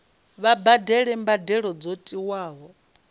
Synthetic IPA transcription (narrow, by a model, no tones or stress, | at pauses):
βabadɛɺɛmbadɛɺɔd͡zotʼiwaːɦɔ